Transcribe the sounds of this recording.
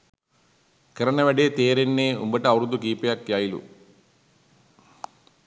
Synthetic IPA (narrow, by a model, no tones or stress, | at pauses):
kɐɾɐnɐʋɐɖet̪eːɾenːeːṵmbɐʈɐɐwɾud̪ukiːpɐjakːjaːjilṵ